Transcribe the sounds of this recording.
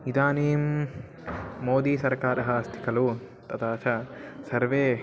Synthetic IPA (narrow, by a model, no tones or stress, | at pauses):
nid̪aːneːm | oːd̪iːsɐɾkaːɾɐɦaːst̪ʰi̥kɐlu | t̪ɐt̪aːʃɐsɐɾʋeː